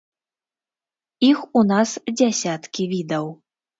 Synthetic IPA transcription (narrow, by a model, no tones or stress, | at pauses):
ixunasd͡zʲasʲat̪kʲivʲid̪ɐw